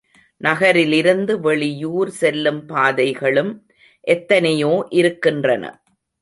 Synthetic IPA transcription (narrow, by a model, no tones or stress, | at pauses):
nɐɣɐɾɪlɪɾɯnd̪ɯʋɛɭɪjuːɾsɛlːɯmpaːðɐɪɣɐɭɯm | ʔɛt̪ːɐnɐjoːʔɪɾɯkːɪndrɐnɐ̰